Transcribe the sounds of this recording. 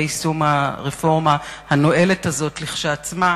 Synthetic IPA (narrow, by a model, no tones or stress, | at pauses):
isumaʁefo̞ʁmahano̞e̞letazo̞tliχʃaːt͡sma